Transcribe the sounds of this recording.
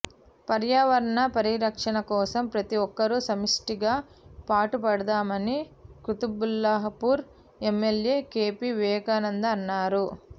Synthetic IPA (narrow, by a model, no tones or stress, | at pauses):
pɐɾjaːʋɐɾɐɳɐpɐɾiɾɐkʂɐɳɐkɔːsɐmpɾɐt̪iɔkːɐɾusɐmisʈiɡaː | paːʈupɐɽɐd̪aːmɐnikɾut̪ubulːaɦɐpuːɾ | emːelje̞ːke̞ːpiʋɛːkaːnɐnd̪ɐːnːaːɾu